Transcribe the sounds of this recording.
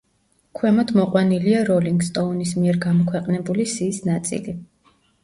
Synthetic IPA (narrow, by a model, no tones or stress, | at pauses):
kʰwɛmɔd̪ʰmɔqʼwaniliaɾɔliŋɡst̪ʼɔɔnis̬miɛɾɡamɔkʰwɛqʼnɛbulisiːsnat̪sʼḭli